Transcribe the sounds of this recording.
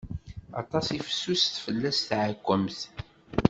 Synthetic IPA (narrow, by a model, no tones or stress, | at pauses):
ɑt̪ˤɑsifə̥sːusθfəlːæsθʕakʷːəmθ